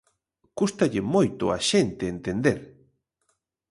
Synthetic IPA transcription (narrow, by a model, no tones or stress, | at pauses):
kust̪aʎemojt̪oaʃent̪eːnt̪end̪eɾ